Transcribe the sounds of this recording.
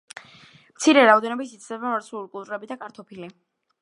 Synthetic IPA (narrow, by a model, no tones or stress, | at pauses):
mt̪sʰiɾɛɾaɔd̪ɛnɔbisit̪sʰd̪ɛbamaɾt̪sʰulikʼulˠt̪ʼuɾɛbid̪akʼaɾt̪ʰɔpʰili